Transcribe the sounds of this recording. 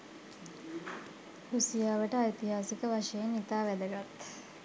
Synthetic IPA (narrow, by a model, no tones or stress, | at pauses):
husijaːʋəʈəajt̪iɦaːsikəʋaʂəjenit̪aːʋæd̪əɡat̪